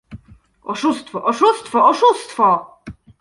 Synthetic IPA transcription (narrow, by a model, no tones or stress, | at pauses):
ɔʂust̪fɔʔɔʂust̪fɔɔʂust̪fɔ